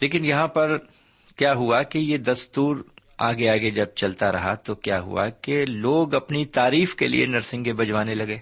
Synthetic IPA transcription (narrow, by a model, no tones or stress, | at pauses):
leːkɪnjɐɦãpɐɾ | kjaːɦuakejed̪ɐst̪uːɾ | aːɡeaɡed͡ʒɐb̚t͡ʃɐlt̪aɾɐ̰ɦat̪okjaːɦʊ̰a̰keloːɡɐpnit̪aːɾiːfkelḭḛnɐɾsɪ̃ŋɡebɐd͡ʒwaːnelɐɡẽː